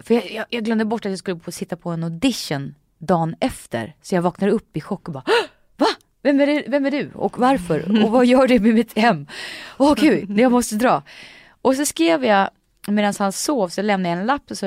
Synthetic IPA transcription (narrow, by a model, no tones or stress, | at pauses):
fœjɑjɑjɑːɡlœmd̪əbɔʈːat̪jɑːskɵlːəfoːsɪt̪ːapʰɔɛnɔd̪ɪʃːən | d̪ɑːnɛft̪ʰə̰ɾsɔjɑvɑːknad̪əɵpːɪɧɔkːɔbaː | va | vɛmæɖɛvɛmːæɖɵɔ̰kvaɾfœɾɔvajœːɖɵmɛmɪt̪hɛmːɔkʰʉnɛjamɔst̪əd̪ɾɑː | ʔɔsɔskɾeːvja | meːd̪anshansoːvsɔɔlɛmnajaɛnlapːɔsɔ